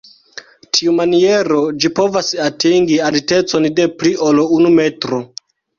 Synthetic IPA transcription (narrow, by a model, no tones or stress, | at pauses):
tʰiumanie̞ɾo̞d͡ʒipo̞vasatiŋɡialite̞t͡sonde̞pliʔolounume̞tɾo